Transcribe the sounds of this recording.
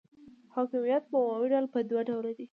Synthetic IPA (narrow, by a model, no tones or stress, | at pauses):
hɑkɪmijat̪̚bəwɑwiɖalpəd̪waɖawlad̪i